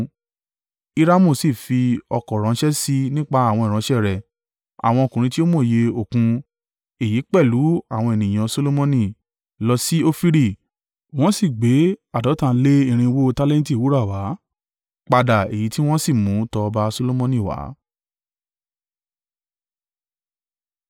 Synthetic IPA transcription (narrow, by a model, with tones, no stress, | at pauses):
i˦ɾa˦mũ˦˨si˦˨fi˧ɔ˧kɔ˨ɾ̃ɔ̃˨˦ʃɛ˦si˧nĩ˦k͡pa˧˦a˦˨w̃ɔ̃˧i˨ɾ̃ã˨˦ʃɛ˦˨ɾɛ˨ | a̰˨w̃ɔ̃˧o˧˨kũ˨ɾ̃ĩ˧ti˦o˦mo˦˨je˧o˨kũ˧ | e˨ji˨˦k͡pɛ˦˨lu˨˦a˦˨w̃ɔ̃˧e˨nĩ˨j̃ã˧so˦lo˦mɔ̃˧nĩ˦˨ | lɔ˧si˦o˦fi˦ɾi˦˨ | w̃ɔ̃˦si˦˨ɡ͡be˨˦a˦˨dɔ˨˦tã˧˨˧le˦i˦˨ɾ̃ĩ˧wo˦˧ta˦lɛ̃˦n˦ti˦˨u˨˦ɾa˦˨wa˨˦ | k͡pa˧da˨e˨ji˨˦ti˦w̃ɔ̃˦si˦˨mũ˨˦tɔ˧ba˦so˦lo˦mɔ̃˧nĩ˦˨wa̰˨˦